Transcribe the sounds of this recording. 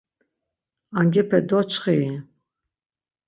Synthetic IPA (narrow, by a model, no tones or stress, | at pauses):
aŋɡʲɛpʰɛd̪ɔt͡ʃʰχi